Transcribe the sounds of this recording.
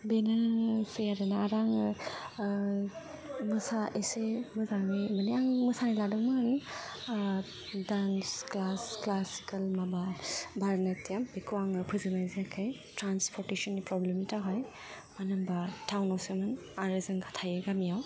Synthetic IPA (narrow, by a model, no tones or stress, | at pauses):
benasejaɾɐnaaɾaŋ | mɐsaʔesemɯzaŋimɐnijaŋmɐsaniladɯŋmaani | dansklasklasi̥kɐlmababʱaɾnɐtijambekʰuwaŋɯpʰɯzɯnajziakʰajtɾanspʰɔɾtesɔnːipɾɔblemitaɦaj | manɐmbatʰawnɔsemɯn | aɾɯzɯŋɡʰatʰajɯɡamijaw